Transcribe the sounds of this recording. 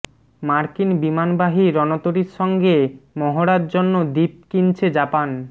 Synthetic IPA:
maɾkinbimanbaɦiɾɔnot̪oɾiɾʃɔŋɡemɔɦoɾad̪d͡ʑonːod̪ip̚kint͡ɕʰed͡ʑapan

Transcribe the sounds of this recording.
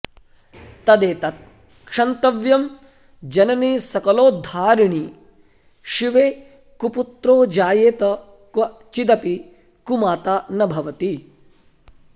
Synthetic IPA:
t̪ɐd̪eːt̪ɐt̪̚ | kʂɐnt̪ɐʋjɐm | d͡ʒɐnɐniːsɐkɐloːd̪ʱaːɾiɳi | ʃiʋeː | kuput̪ɾoːd͡ʒaːjeːt̪ɐ | kʋɐt͡ʃid̪ɐpi | kumaːt̪aːnɐbʱɐʋɐt̪i

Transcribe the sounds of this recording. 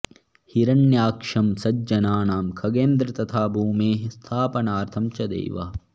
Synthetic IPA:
hiɾɐnjaːkʂɐmsɐd͡ʒɐnaːnaːmkʰɐɡeːnd̪ɾɐt̪ɐt̪ʰaːbʱuːmeːɦist̪ʰaːpɐnaːɾt̪ʰɐmt͡ʃɐd̪ḛːʋɐ̰

